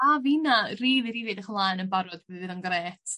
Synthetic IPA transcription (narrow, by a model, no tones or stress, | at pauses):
avinariːvɨɾɪvɨdaχmlˠanənbaɾɔdbɛðvɨðanɡreːtʰ